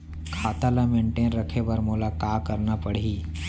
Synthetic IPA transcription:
kʰaːt̪alamẽːɳʈeːnɾəkʰebəɾmoːlakaːkəɾnapəɽ̤iː

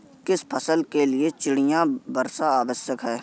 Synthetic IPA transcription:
kɪspʰəsəlkelɪet͡ʃɪɽɪjãbəɾsaaːʋəsjəkɦɛː

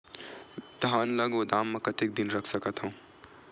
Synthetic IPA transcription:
d̪ʱaːnlɐɡod̪aːmːɐ̃kɐt̪ɪk̚d̪ɪnɾɐkʰsɐkət̪ɦũː

